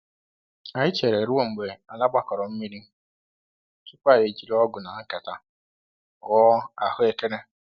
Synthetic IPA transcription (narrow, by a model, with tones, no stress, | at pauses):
a˨ɪ˦t͡ʃe˨ɾe˨ɾʊ˦wo˦ŋ͡m̩˨ɡ͡be˨a˨la˦ɡ͡ba˦kɔ˨ɾɔ˨m̩˦mi˦ɾi˦ | tʊ˦kʷa˦˨ɾe˨d͡ʒi˨ɾe˦ɔ˦ɡʊ˨na˨a˦ka˨ta˨ | ɣɔ˦a˨hʊ˦e˨ke˦ɾe˦